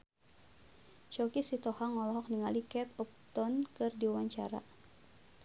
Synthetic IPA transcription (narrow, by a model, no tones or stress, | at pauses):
t͡ʃɔkisit̪ɔhaŋɔlɔɦɔk̚niŋalikɛt̪ɔp̚t̪ɔnkɨrdiwaɲt͡ʃa̰ɾa̰